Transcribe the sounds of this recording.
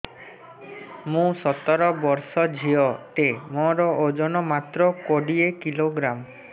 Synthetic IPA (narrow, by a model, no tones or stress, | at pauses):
mũsɔt̪ɔɾɔbɔɾsɔd͡ʒʱiɔt̪emɔ̃ɾɔʔod͡ʒɔnɔmat̪ɾɔkoɖiekiloɡɾam